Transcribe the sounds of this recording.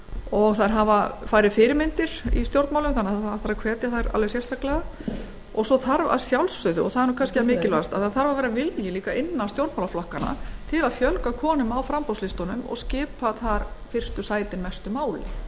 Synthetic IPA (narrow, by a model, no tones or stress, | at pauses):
ɔɣθaɾɦavafaːjɾɪfɪːɾɪmɪnt̪ɪɾ̥ḭst̪jowɾt̪mawlʏmθanːaaθaɾakʰvɛːt̪jaθaɾa̰lvɛsjɛst̪ʰahklɛɣa | ɔɣsɔθaɾva̰ðsjawlsːʏðʏɔ̰ɣθaðɛɾnuːkʰanskcɪamɪːcɪlvast̪aðθaθaɾvavɛːɾavɪljɛliːkaʔɪnːast̪jowɾt̪mawlaflɔhkana̰t̪ʰɪlaðfjœlkakʰɔːnʏmawfɾampɔwslɪst̪ɔnʏmɔ̰ɣscɪːpaθaɾfɪr̥st̪ʏsaːjt̪ɪnmɛst̪ʏmaːwlɪ̰